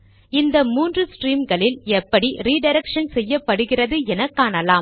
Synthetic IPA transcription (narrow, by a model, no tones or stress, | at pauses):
ɪnd̪ɐmuːndrɯsʈriːmɡɐɭɪlɛpːɐɽiɾiːɖɐɪɾɛkʂɐnsɛjːɐpːɐɽɯɣɪrɐðɯɛnɐkːaːɳɐlaːm